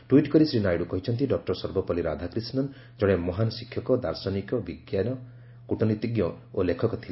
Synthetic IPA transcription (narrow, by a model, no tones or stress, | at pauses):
ʈwiʈkɔɾisɾinajɽukɔɦit͡ʃʰɔnt̪iɖɔk̚ʈɔɾsɔɾbɔpɔliɾad̪ʱakɾisnɔn | d͡ʒɔɽ̃emɔɦanɔsikʰjɔkɔd̪aɾsɔnikɔbiɡjanɔ | kuʈɔnit̪iɡjɔ | olekʰɔkɔt̪ʰil